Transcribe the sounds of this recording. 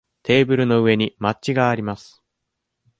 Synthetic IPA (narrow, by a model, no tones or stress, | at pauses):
t̪ʰe̞ːbɯ̟ɾɯ̟no̞ɯ̟e̞ɲ̟imatt͡ɕiɡaːɾʲimasɨ̥